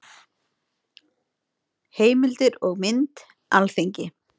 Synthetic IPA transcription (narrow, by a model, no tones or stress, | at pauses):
heːjmɪlt̪ɪɾɔɣmɪnt̪ | alfeɲcɪ